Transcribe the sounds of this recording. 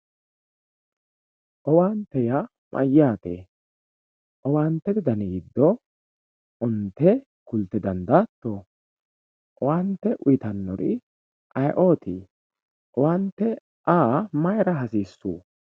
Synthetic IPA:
ʔɔwaːnt̪ːɛja | mʔɐ̰jːaːt̪ḛː | ʔɔwaːnt̪ːɛd̪ɪd̪ɐniːd̪ːɔ | ʔʊnt̪ːɛ | kʊlt̪ːɛd̪ɐnd̪aːt̪ːɔ | ʔɔwant̪ːɛʔʊjɪt̪ɐnːɔɾɪ̰ | ʔɐjʔoːt̪i | ʔɔwant̪ːɛ | ʔaːmɐjɾɐɦɐsiːsːuː

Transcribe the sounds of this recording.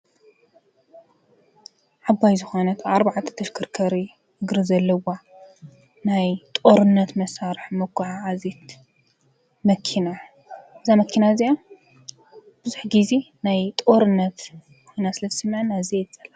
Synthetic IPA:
ʕabajzɨxonɐt̪ʰaɾbaʕat̪ʰɐ̥t̪ʰɐʃkʰɨɾkʰɐɾi | ɨɡɾizɐlːɐwa | najt̪ʼoɾɨnːɐt̪mɐsaɾɨħmɐkʷːuʕaʕazit̪ | mɐkʰːina | ʔɨzamɐkʰːinazia | b̥ɨzuħɡizinajt̪ʼoɾɨnːɐt̪ | kʰojnasɨlɐzsɨmːʕnazit̪ʰt͡sʼɐl

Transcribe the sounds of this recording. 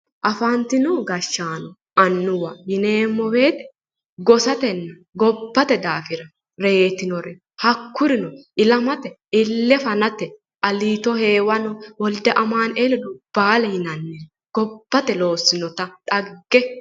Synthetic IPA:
ʔɐfɐnt̪ɪnɔɡɐʃːaːnɔ | ɐnːʊwɐjɪne̞ːmːɔweːt̪ɛ̥ | ɡɔsɐt̪ɛnːɐ | ɡɔbːɐt̪ɛd̪aːfɪɾɐ | ɾeːt̪ɪnɔɾɛ | hɐkːʊɾɪnɔʔɪlɐmɐt̪ɛ | ɪlːɛfɐnɐt̪ːɛ | ʔɐliːt̪ɔhe̞ːwɐnɔwɔld̪ɛʔɐmaːnelɛd̪ʊb̥aːlɛhɪnɐnːɛn | ɡ̥ɔb̥ːɐt̪ɛlo̞ːsːɪnɔt̪ɐt̪ʼɐɡːɛ

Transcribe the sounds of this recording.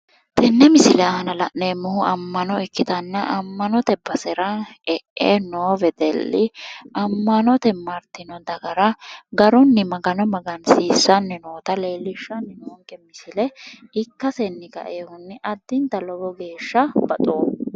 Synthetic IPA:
t̪ʰɛnːɛmɪsɪlɛɐhɐnɐlɐʔneːmːʊhʊɐmːɐnɔɛkːɪt̪ɐnːɐʔɐmːɐnɔt̪ɛbɐsɛɾɐɛʔːenoːvɛd̪ɛlːɪɐmːɐnɔt̪ɛmɐɾt̪ɪnɔd̪ɐɡɐɾɐɡɐɾɔnːɪmɐɡɐnɔmɐɡɐnsiːsːɐnːɪnoːt̪ɐleːlːɪʃːɐnːɪnoːŋkʼɛmɪsɪlɛɪkːɐsɛnːɪɡɐ̰ʔeːhʊnːɪʔɐd̪ːɪnt̪ɐlɔɡɔɡe̞ːʃːɐbɐt̪ʼoː

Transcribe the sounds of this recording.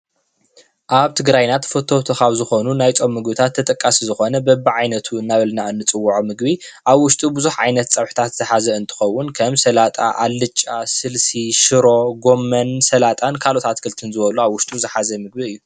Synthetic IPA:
ʔaβt̪ʰɨɡɾajnat̪fot̪ʰot̪ʰokaβzɨxo̞nunajt͡sʼomːɨɡbɨt̪ʰat̪ʰːɐt̪ʼɐkʼːasizɨxo̞nɐbɐbːiʕajnɐt̪ʰuɨnːaβɐlnaɨnːɨt͡sʼɨwːuʕumɨɡbiʔaβwʊʃt̪ʼubɨzuħʕajnɐt̪t͡sʼɐβħu̥t̪ʰat̪z̥ɨħazɐɨnt̪ʰɨ̥xɐwːʊnkʰɐmsɐlat̪ʼa̰ʔa̰lːɨt͡ʃʼːasɨlsiʃɨɾo̞ɡo̞mːɐnsɐlat̪ʼankʰalo̞t̪ʰat̪kʰɨlt̪ʰɨnzɨβɐluaβwʊʃt̪ʼuzɨħazɐmɨɡ̚biɨjːu

